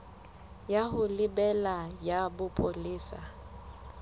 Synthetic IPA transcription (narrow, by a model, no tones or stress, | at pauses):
jahʊlɪbɛlajabʊpʼoliːsa̰